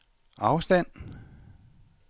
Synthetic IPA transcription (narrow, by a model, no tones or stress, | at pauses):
ʔɑ̈ʊsd̥æn̰